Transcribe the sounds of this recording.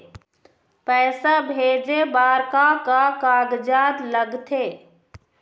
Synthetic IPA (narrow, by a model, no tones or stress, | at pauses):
pɛːsabʱeːd͡ʒebaːɾkakakaːɡd͡ʒaːd̪ləɡt̪ʰeː